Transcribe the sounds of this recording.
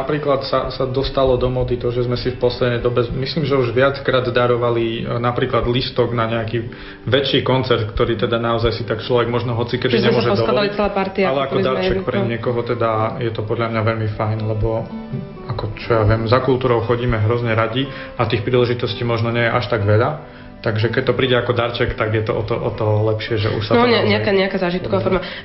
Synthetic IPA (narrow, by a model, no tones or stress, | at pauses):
napɾiːklat̪sasad̪ɔst̪alɔd̪ɔmɔd̪it̪ɔʒɛzmɛsifpɔslɛd̪nɛjd̪ɔbɛmisliːmʒɛuʒʋɪat͡skɾaːd̪d̪aɾɔʋalinapɾiːklad̪list̪ɔɡnaɲɛaki | ʋɛt͡ʃːiːkɔnt͡sɛɾt̪kt̪ɔɾiːt̪ɛd̪anaɔzajsit̪akt͡ʃlɔʋɛɡmɔʒnɔɦɔt͡sikɛd̪iɲɛmʊɔʒɛd̪ɔɔliɛlapaɾt̪iaalɛakɔd̪aɾt͡ʃɛkpɾɛɲɪɛkɔɦɔt̪ɛd̪ajɛt̪ɔpɔd̪ʎamɲaʋɛʎmifajnlɛbɔ | akɔt͡ʃɔjaʋɪɛmzakulˠt̪uːɾɔʊxɔɟiːmɛɦɾɔzɲɛɾaɟi | ʔat̪iːxpɾiːlɛʒit̪ɔsciːmɔʒnɔɲɛjɛʔaʃt̪aɡʋɛʎa | t̪aɡʒɛkɛc̚t̪ɔpɾiːɟɛakɔd̪aɾt͡ʃɛkt̪aɡjɛt̪ɔɔt̪ɔʔɔt̪ɔɦɔlɛpʃɪɛʒɛ̰ʔṵʃsat̪ɔɲɛɲɛakaɲɛakaːzaːʒit̪kɔʋaːfɔɾma